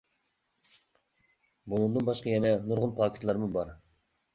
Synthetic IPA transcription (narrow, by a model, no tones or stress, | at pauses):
bunund̪ɨnbɑʃqʰɑjɛnɛnuɾʁʊnpʰɑːkʲʰɪ̥t̪ʰlˠɑɾmubɑɾ